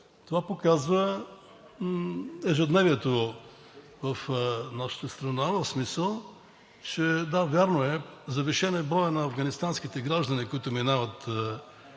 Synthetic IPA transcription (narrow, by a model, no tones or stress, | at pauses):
t̪ovapokazvə | ɛʒɛd̪nɛvʲiɛt̪o | vɐfnaʃə̥t̪əst̪ɾɐnavəfsmisəlˠ | t͡ʃɛd̪avʲjaɾnoɛzɐviʃɛnɛbɾɔjənɐːvɡɐnist̪ansk̟it̪ɛɡɾaʒd̪ənikoit̪ʊminavət̪